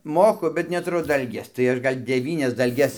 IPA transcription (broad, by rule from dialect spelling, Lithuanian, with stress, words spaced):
ˈmoːkʊ bʲɛt nʲɛtʊˈrʊ ˈdɐlʲɡʲeːs tɐɪ ˈɐʃ ˈɡɐlʲ dʲɛˈʋʲiːnʲɛs dɐlʲˈɡʲɛs